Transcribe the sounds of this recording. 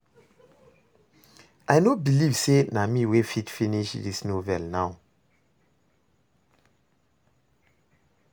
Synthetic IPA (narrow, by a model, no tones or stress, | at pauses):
ajnobilivsenamiwefitfiniʃdisnovɛlnaw